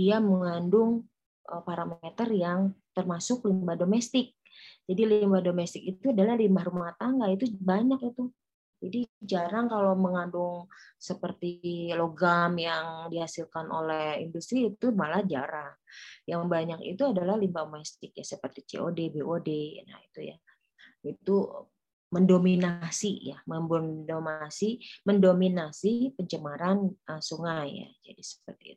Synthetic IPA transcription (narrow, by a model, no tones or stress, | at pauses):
diaməŋandʊŋ | ʔəpaɾamet̪ərjaŋt̪ərmasʊklimbahdomɛst̪ɪk̚ | d͡ʒadilimbahdomɛst̪ɪkit̪uadalahlimbahɾumaht̪aŋɡait̪ubaɲakit̪u | d͡ʒadid͡ʒaɾaŋkaloməŋandʊŋsəpərt̪iloɡamjaŋdihasilkano̰lɛhḭndust̪ɾiːt̪umalahd͡ʒaɾaŋjaŋbaɲakḭt̪uadalahlimbamɛst̪ɪk̚ja̰səpərt̪it͡ʃḛʔodebeʔodena̰it̪uja̰ | it̪u | məndominasijaməmbʊndomasiməndominasipəɲt͡ʃəmaɾanəsuŋaja̰d͡ʒa̰disə̥pərt̪iu